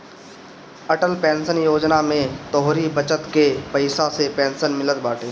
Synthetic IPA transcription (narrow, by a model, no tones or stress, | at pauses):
ɐʈəlpɛ̃ːnsənjoːd͡ʒnamẽt̪ɔɦɾibət͡ʃət̪kepɐɪsasepɛ̃ːnsənmɪlət̪baːʈʰeː